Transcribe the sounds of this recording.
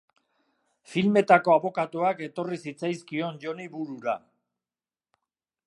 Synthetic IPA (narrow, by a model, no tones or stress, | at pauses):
filme̞t̪ako̞aβo̞kat̪uake̞t̪o̞risit͡sajskio̞nʝo̞niβuɾuɾa̰